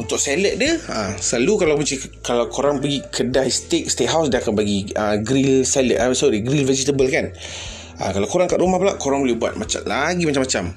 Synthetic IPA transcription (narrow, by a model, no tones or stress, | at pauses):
unt̪ʊk̚seləʔ̪̚dəəsəlalukalawpət͡ʃikalawkoɾaŋpəɡikʰədajst̪ek̚st̪eʔ̚ɦawsdaakanbaɡiəɡɾilsaləʔaəsadiɡɾilvɛd͡ʒit̪əbəlkan | ə̰kalawkoɾaŋkaʔɾumahpəlaʔkoɾaŋbolɛhbua̰t̪̚mat͡ʃa̰laɡimat͡ʃamat͡ʃam